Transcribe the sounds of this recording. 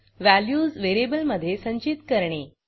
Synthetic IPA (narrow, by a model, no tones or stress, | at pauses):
ʋæljuːzʋeɾebəlməd̪ʱːjesəɲt͡ɕit̪kəɾɳe